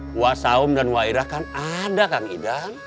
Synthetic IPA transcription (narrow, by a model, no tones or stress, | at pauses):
wasaʊmdanwaiɾahkanadakaŋidaŋ